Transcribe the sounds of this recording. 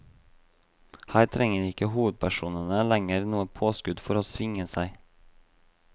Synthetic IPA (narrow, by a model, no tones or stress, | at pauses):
hæɪt̪ʰɾɛŋəɾɪkəhuːʋəd̪̚pʰæʃuːnənəlæŋəɾnuːəpʰoːskʉd̪fɔɾoːsʋɪŋəsæɪ